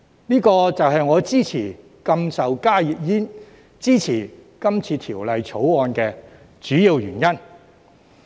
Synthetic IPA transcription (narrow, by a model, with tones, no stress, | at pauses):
niː˥kɔː˧t͡sɐ˨wɦɐ˨jŋɔː˨˧t͡siː˥t͡sʰiː˨˩ | kɐ˧msɐ˨wkaː˥ji˨k̚jiː˥n | t͡siː˥t͡sʰiː˨˩kɐ˥mt͡sʰiː˧t̪ʰiː˨˩wlɐ˨jt͡sʰo˨˥wɔː˧nkɛː˧ | t͡ʃyː˨˥jiː˧wjyː˨˩njɐ˥n